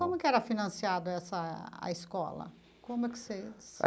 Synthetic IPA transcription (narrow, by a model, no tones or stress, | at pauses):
kõmʊɛkɪɛɾɐfinɐ̃siad̪ʊɛsɐɐ̰iskɔ̰lɐ̰ | kõmʊɛkɪ̥ses